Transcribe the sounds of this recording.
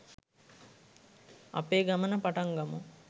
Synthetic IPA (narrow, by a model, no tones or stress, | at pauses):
ɐ̰peːɡɐmɐnɐpɐʈɐŋɡɐmu